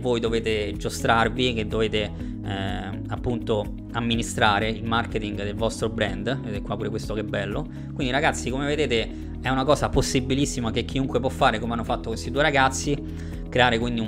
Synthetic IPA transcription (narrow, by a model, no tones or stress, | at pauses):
vːojd̪oveːt̪ed͡ʒost̪ɾarvik̟ed̪ːoveːt̪e | ɛ | apːunt̪o | amːinist̪ɾaːɾeilmarket̪iŋɡd̪elvɔst̪ɾobɾɛnd̪veekːwapːuːɾekwest̪okebːɛlːo | kwind̪iɾaɡat̪sːikomeved̪eːt̪e | ɛunakɔːsaposːibilisːimakekʰːiuŋkwepwɔfːaːɾekomeanːofat̪ːokwest̪id̪ueɾaɡat̪sːi | kɾeaːɾekwind̪i